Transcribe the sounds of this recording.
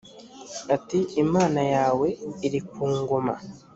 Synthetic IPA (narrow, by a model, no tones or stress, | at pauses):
atiimaːnajaːwe̞iɾikuːŋɡoma̰